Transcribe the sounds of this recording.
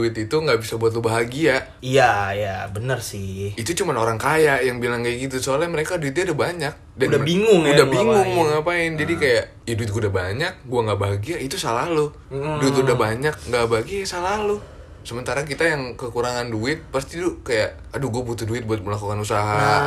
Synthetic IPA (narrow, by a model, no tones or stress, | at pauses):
duɪt̪it̪uŋɡaʔbisabuat̪̬lubaɦaɡia | jajabənərsɪit̪ut͡ʃumanoɾaŋkajaʔjaŋbilaŋkajɡit̪usolaməɾekaduɪt̪̚ɡudabaɲak̚dadanbiŋʊŋudabiŋʊŋmŋapaɪnd͡ʒadikajaʔ | iduɪt̪̚ɡudabaɲak̚ɡuaŋɡaʔbaɦaɡiait̪usalalu | duɪt̪ludahbaɲak̚ŋɡabaɦaɡiasalalu | səmənt̪aɾak̬it̪ajaŋkəkuɾaŋanduɪt̪̚past̪idukajaʔ | aduɡuabut̪ʊhduɪt̪̚buat̪̚məlakukanusaɦa